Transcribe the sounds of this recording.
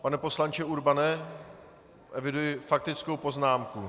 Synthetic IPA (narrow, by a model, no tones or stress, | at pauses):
panɛpo̞slant͡ʃɪuɾbanɛ | ʔɛvɪdujɪfak̚t̪ɪt͡skowpo̞znaːmku